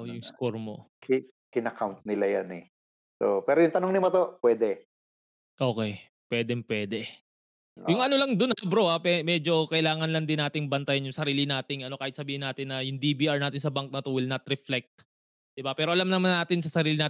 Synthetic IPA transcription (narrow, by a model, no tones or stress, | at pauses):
jʊŋskoɹmo̰ | k | kɪnɐkawnt̪̚nɪlajanɛ | so̰pɛːɾojʊŋt̪ɐnoŋnɪmot̪opwɛːd̪ɛ | ʔo̞ːkɛj | pwɛːd̪ɛmpwɛːd̪ɛ | jʊŋʔɐnolɐŋd̪onhbɾo̞ʔapɛmɛd͡ʒo̞kɐʔɪlaːŋɐnlɐŋd̪ɪnːaːt̪ɪŋbɐnt̪ajɐnjʊŋsɐɾiːlɪnaːt̪ɪŋʔɐno̞kaːhɪt̪sɐbiːhɪnːaːt̪ɪnːɐjʊŋd̪ibiːʔaɹnaːt̪ɪnsɐbaŋk̚nɐt̪o̞wɪlnɐt̪ɾɛflɛk̚t̪̚ | d̪̥ɪbapɛːɾo̞ʔɐlamnɐmanːaːt̪ɪnsɐsɐɾiːlɪnaː